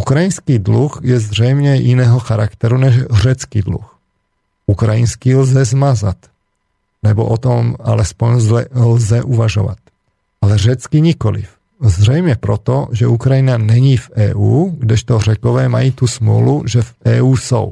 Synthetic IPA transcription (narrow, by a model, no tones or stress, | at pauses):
ʔukɾajinskiːd̪luxjɛzr̝ɛjmɲɛjɪnɛːɦoxaɾakt̪ɛɾunɛʃr̝ɛt͡skiːd̪lṵx | ukɾajinskilzɛzmaza̰t̪ | nɛboʔot̪oma̰lɛspoɲzlɛlzɛʔuvaʒo̰va̰t̪̚ | alɛr̝ɛt͡skiɲikolḭf | zrɛjmɲɛpɾot̪oʒɛukɾajinanɛɲiːfʔɛ̰ːʔuːɡdɛʃt̪orɛkovɛːmajiːt̪usmlṵluʒɛfʔɛːuːso̰w